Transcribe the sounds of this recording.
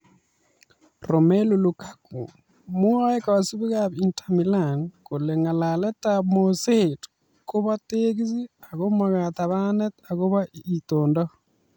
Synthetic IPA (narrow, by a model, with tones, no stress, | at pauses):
ɾo˨me˦lu˨lu˨kḁkṵ˨ | mu˦a˦e˦ka˨βa˨su˦βi˦ɣaβi˨ntʰami˨la˨nko˨le˨ŋa˨la˨lɛ˦tamose˨t | ko˦βa˦te˦ɣi˦zi˦a˨ɣo˦ma˨ɣa˨ta˨βa˦nɛ˦ta˨ɣo˦βa˦i˨toː˨ndɔ˦